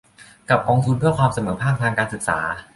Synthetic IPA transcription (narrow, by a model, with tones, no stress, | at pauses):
ka˨˩p̚kɔː˧ŋt̪ʰu˧npʰɯ˥˩ɐkʰwaː˧msa˧mɤː˩˦pʰaː˥˩k̚t̪ʰaː˧ŋkaː˧nsɯ˨˩k̚sa̰ː˩˦